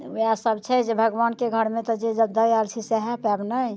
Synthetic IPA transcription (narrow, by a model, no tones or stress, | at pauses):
jasəbt͡ʃʰɛd͡ʒebʱəɡʋankeɡʱəɾmet̪ɔd͡ʒed͡ʒəd̪əjalt͡ʃʰisɛɦɛpɛbnaj